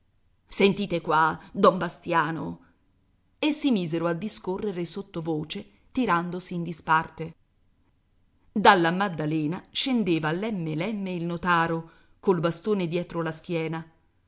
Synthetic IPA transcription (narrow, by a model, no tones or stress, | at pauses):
sent̪iːt̪ekwad̪ɔmbast̪jaːno̰ | esːimiːzeɾoad̪ːiskorːeɾesot̪ːovoːt͡ʃe | t̪iɾand̪osiːnd̪ispart̪e | d̪alːamad̪ːalɛːnaʃend̪eːvaːlːɛmːelɛmːeilnot̪aːɾo | kolbast̪oːned̪jɛːt̪ɾolask̟jɛːna